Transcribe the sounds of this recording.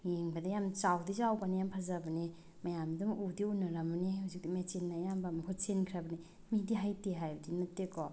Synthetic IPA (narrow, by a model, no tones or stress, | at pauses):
jeŋbɐdɐjamt͡ʃawdizawbanijampʰazabɐne | mɐjamdumudiunɐɾamɐnihowzik̚dimet͡ʃinːajambamɐkʰot͡ʃenkʰɾabɐni | midiɦajteɦajbɐdinɐtːekɔ